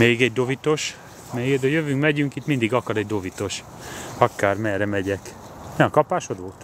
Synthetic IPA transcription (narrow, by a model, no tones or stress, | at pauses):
eːɡɛɟ̚d̪o̞vit̪o̞ʃ | mɛjed̪ɒjøvyŋkmɛɟyŋkit̪mind̪iɡɒkɒɾɛɟd̪o̞vit̪o̞ʃ | ɒkaːrmɛrɾɛmɛɟɛk | nɛkɒpaːʃod̪oːt̪